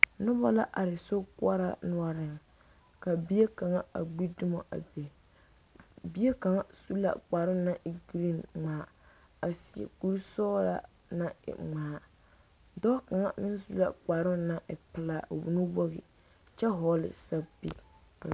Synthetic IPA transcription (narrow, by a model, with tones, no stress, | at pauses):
nʊ˦ba˦la˦ʔa˨ɾɪ˨so˦kʊ˦a˦ɾa̰˦nʊ˦a˦ɾɪ˨ŋ | ka˨bi˦e˦ka˨ŋa˦a̰˨ɡ͡bi˦du˦ma̰˨ʔa̰˨be˨ | bi˦e˦ka˨ŋa˦su˦la̰˨k͡paː˨ɾʊ˦nːa˦ʔi˨ɡɾi˦nŋ͡maː˨˦ | a˨si˨ḛ˨ku˦ɾsɔː˦la̰˦ | na˦ɪ̰˨ŋ͡maː˨˦ | dɔ˦ka˨ŋa˦mɪ˦n˦su˦la̰˨k͡pa˨ɾʊ˦na˦ʔɪ˨pɪ˨la˦˨wṵ˨nu˦bɔ˦ɣɪ̰˨ | t͡ʃɛ˦ɦɔː˦lɪ̰˨sa˦bḭ˦˨